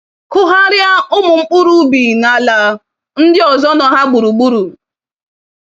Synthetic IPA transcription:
kʊ˦ɦa˦ɾja˦ʊ˦mʊ˨ŋ͡m̩˦k͡pʊ˦ɾu˦bi˨na˨la˨ | n̩˦dɪ˦ɔ˨zɔ˦nɔ˨˦ɦa˦ɡ͡bu˨ɾu˨ɡ͡bu˦ɾu˨

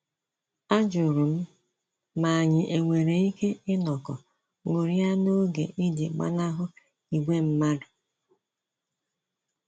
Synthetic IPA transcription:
a˦d͡ʒʊ˨ɾʊ˨m̩˦ | ma˨a˨ɲɪ˨ʔe˨ŋʷe˨ɾe˨i˦ke˦ɪ˦nɔ˨kɔ̰˨ | ŋo˨ɾi˦a˦no˦ɡḛ˨ʔi˦di˨ɡ͡ba̰˦na˦ɦʊ˦ | i˨ɡ͡be˦m̩˦ma˦dʊ˨

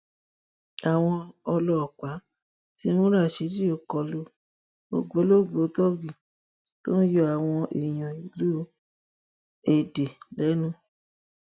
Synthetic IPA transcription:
a˨w̃ɔ̃˧ɔ˧lɔ˧ɔ˨k͡pa˨˦ | ti˧˦mũ˦ɾa˦˨ʃe˨˦di˦o˦˨kɔ˧lo˧ | bo̰˧ɡ͡bo˨˦lo˦˨ɡ͡bo˨˦tɔ˦bi˨ | to˦n̩˦jɔ˧˦a˨w̃ɔ̃˧ʔḛ˨j̃ɔ̃˨i˨lu˦ | e˨de˨lɛ˨˦nũ˦

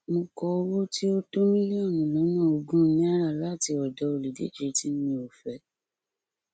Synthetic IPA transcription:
mõ˧kɔ˧o˧wo˦tʰi˦o˦to˦mĩ˦li˦ɔ˦˨nũ˨lɔ̃˨˦nɔ̃˦o˧ɡũ˦nĩ˦a˦ɾa˦˨la˦˨ti˧ɔ˨dɔ˨˦o˨li˨dḛ˨˦d͡ʒe˧ti˦mĩ˧o˨fɛ˨˦

